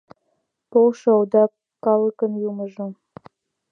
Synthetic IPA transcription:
polʃŏod̪ɑkː | ɑləkə̆njuməʒo

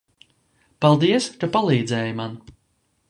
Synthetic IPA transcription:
palˠd̪iɛskapalˠiːd̪zɛːjman

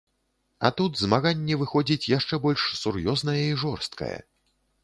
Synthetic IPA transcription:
ɐ̰t̪ud̪zmaɣanʲːɛvɨxɔd͡zʲit͡sʲjaʂt͡ʂɛbɔlʲʂsurjɔznɐjɐiʐɔrst̪̚kɐ̰jɐ̰

